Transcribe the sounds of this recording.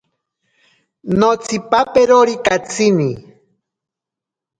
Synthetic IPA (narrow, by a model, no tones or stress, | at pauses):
not͡sipapeɾoɾikat͡sʰini